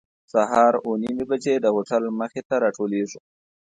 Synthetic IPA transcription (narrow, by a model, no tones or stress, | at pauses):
saɦɑɾonimebad͡ʒed̪əɣoʈəlməxet̪aɾɑʈoleʐu